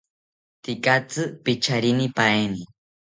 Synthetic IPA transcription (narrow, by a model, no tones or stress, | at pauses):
t̪ɪkat͡sɨpɪt͡ʃaɾɪnɪpajmɪ